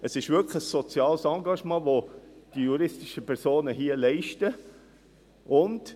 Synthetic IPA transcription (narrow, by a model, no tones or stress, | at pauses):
əsɪʃʋʏkχəsːot͡sjɑːlsɑŋɡɑʃmɑːʋod̥ijuɾɪstɪʃəpʰɛɾsoːnəɦiəlɛɪʃtə | ʔʊnd